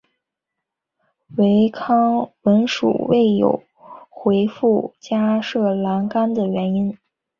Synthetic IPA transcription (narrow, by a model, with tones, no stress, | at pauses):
we˧˥ɪkʰɑ˥ŋwə˧˥nʂṵ˨˩we˥˩ɪjo̰˨˩ʊ | xwe˧˥ɪfu˥˩t͡ɕja˥ʂɤ˥˩la˧˥nka˥nd̪ə˨ɥɛ˧˥ni˥n